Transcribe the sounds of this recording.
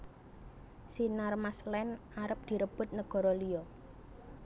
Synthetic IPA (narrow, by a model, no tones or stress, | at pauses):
sinarmaslɛn | aɾəp̚d̪̥i̤ɾəb̥ʊ̤t̪̚nəɡ̥ɔ̤ɾɔliɔ